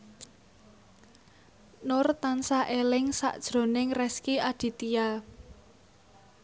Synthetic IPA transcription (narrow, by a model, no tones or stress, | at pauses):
nʊrt̪ansaʔelɪŋsa̰ʔd̥ʒ̥ɾo̤nɪŋrɛskiʔaɖ̥i̤t̪ija